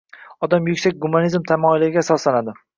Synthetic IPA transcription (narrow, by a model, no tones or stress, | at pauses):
ɒd̪amjʊkʲsak̚ʲɡumanizmt̪ʰamɒɪlɪɾɪɡʲasɒslanad̪ɪ